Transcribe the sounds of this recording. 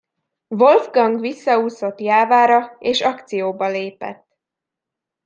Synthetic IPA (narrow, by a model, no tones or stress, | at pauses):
vo̞lvɡɒŋɡʋisːɒuːso̞t̪jaːvaːɾɒeːʃɒkt̪sijoːbɒleːpɛ̰t̪ː